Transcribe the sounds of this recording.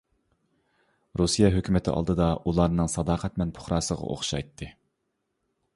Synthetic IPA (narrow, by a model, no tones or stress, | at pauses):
ɾusijɑɦøkʲʰymɪt̪ʰɪ̰ʔɑ̰lˠd̪ɨd̪ɑʔulˠɑɾnɨŋsɑd̪ɑːqʰɛt̪mɛnpʰʊ̥χɾɑːsəʁɑ̰ʔo̰χʃɑ̰jt̪ʰːɨ